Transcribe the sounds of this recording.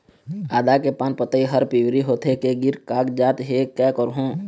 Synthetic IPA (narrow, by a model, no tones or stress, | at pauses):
aːd̪akepaːnpət̪əiɦəɾpiwɾiɦoːt̪ʰekeɡɪɾkaːkd͡ʒaːt̪ɦekɛːkəɾɦõː